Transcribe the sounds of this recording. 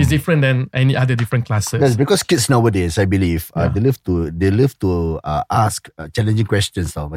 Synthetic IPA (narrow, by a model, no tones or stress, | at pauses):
isdifɹə̃ndɛ̃nʔɛniʔadədifɹə̃nklasəjɛsbikɔskitsnawədesajbilivadeliftudeliftuaʔaskt͡ʃɛlɛ̃nd͡ʒĩŋkwɛstə̃nsɔf